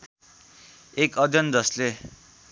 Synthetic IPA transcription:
ekʌd͡zjʌnd͡zʌsle

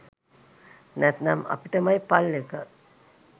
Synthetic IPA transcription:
næt̪nɐmɐ̰piʈəmɐjpalːekə

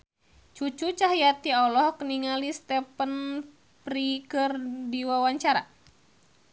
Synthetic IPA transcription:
t͡ʃut͡ʃut͡ʃaɦjat̪iɔlɔhkəniŋalist̪ɛpən | pɾikɨrdiwawaɲt͡ʃaɾa̰

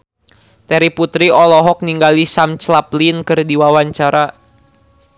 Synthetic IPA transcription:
t̪ɛɾiput̪ɾiɔlɔɦɔk̚niŋɡalisamt͡ʃlaplinkɨrdiwawaɲt͡ʃaɾa

